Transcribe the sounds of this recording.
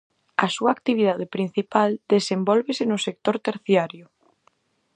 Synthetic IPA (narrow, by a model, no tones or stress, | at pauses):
ɐsuaːkt̪iβ̞ið̞að̞epɾin̟θipald̪̥esembɔlβesɪnʊsek̚t̪oɾt̪eɾθjaɾjʊ